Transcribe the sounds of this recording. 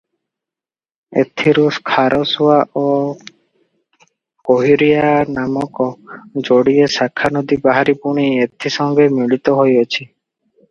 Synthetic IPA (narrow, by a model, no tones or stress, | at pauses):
ḛt̪ʰiɾuskʰaɾʔɔswaʔo | koɦiɾijanamɔkɔd͡ʒoɽiesakʰanɔd̪ibaɦaɾipuɽ̃iet̪ʰisɔŋɡemiɭit̪ɔɦojɔt͡ʃʰi